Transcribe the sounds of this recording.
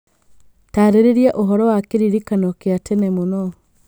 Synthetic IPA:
taːɾeɾeɾiaʔoɦɔɾɔwakeɾiɾikanɔkeatɛnɛmonɔ

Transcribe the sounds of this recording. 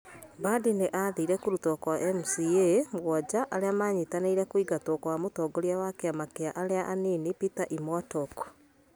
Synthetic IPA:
badineʔaðiɾɛkuɾutɔkwaʔɛmusiemwɔd͡ʑaʔaɾeamaːɲitaneiɾɛkwiɡatokwamotɔɡoɾjawakeamakeaʔaɾeaʔaninipitaʔimwatɔkɔ̥

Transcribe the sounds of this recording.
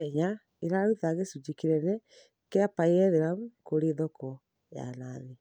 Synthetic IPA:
ɛɲa | eɾauðaɣesud͡ʑikiɾɛnɛ | keapaeɣɛðeɾamukoɾeðɔkɔ | ja̰naðe

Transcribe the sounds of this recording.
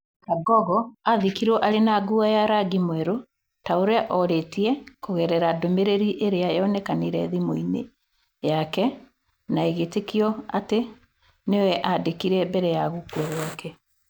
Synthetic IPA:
kaɡɔɣɔaðikiɾɔʔaɾenaɡuajaɾaɡimwɛɾo | taoɾeaʔɔɾetiɛkoɣɛɾɛɾadomeɾeɾiʔeɾeaeɔnɛkaniɾɛðimoinḛ | jakɛ | naeɣetekiɔa̰te | neowɛʔadekiɾɛbɛɾɛjaɣukwɛɣwɔkɛ

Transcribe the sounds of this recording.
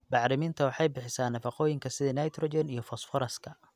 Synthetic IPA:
bɑʕɾɪmɪnt̪ʰɐwɑħɑjbɪħɪsaːnːɐfɑqɔːjɪŋkʰɐsɪðɐnɐjt̪ʰɾɔd͡ʒɛnijɔfɔsfɔɾɐskʰɐ

